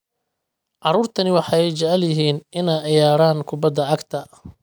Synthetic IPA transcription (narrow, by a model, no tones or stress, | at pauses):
ʕɑɾuːrt̪ʰɐnɪwɑħɑɛjt͡ʃɛʕljɪɦiːnʔɪnaːʕɪjaːɽaːnkʰʊbɐd̪ːɐʕɑɡt̪ʰɐ